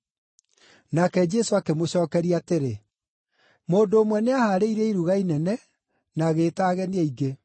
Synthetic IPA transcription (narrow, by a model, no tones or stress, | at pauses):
nakɛd͡ʒɛsoakemoɕɔːkɛɾiateɾe | moːndoːmwɛneahaːɾeiɾɛiɾuɣainɛnɛ | naːɣeːtaːɣɛniɛiɡe